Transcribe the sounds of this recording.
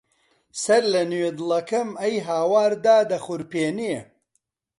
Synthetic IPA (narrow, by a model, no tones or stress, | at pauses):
sɐɾlɐnweːd̪ɨlˠɐkɐmɐjɦaːwaːɾd̪aːd̪ɐχʊɾpeːneː